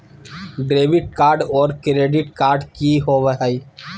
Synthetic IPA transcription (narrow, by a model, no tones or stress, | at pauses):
ɖɾeːbɪʈ̚kaːɾɖɔːɾkɾeːɖɪʈ̚kaːɾɖkiɦoʋəɦəi